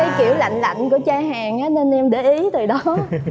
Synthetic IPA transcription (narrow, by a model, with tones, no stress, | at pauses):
a˨˦jki˧˩əwla̰˧˨jŋ̟la̰˧˨jŋ̟ku˧˩ət͡ɕaː˧ɦaː˨˩ŋʔaː˨˦ne˧nʔɛ˧mɗe˧˩ʔi˨˦t̪ɨː˨˩ɗɔ˨˦